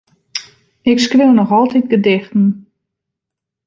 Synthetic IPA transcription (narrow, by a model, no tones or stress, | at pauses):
ɪkskʋɪwnɔxɔlˠtit̚ɡədɪxtn̩